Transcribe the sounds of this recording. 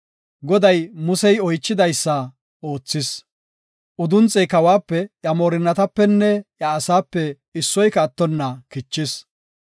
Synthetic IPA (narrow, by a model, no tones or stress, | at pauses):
ɡɔd̪ɐjmʊsɛjɔjt͡ʃːɪd̪ɐjsːɐ | o̞ːt͡sːɪs | ʔʊd̪ʊnt͡sʼːɛjkɐwaːpːɛjɐmoːɾɪnːɐt̪ɐpːɛnːɛjɐːsaːpːɛ | ɪsːɔjkɐːt̪ːɔnːɐkɪt͡ʃːɪs